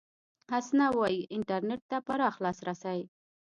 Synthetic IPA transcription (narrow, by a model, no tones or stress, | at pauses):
hasnawɑjiʔɪɳʈaɾneʈ̚t̪apaɾɑxlɑsɾasawj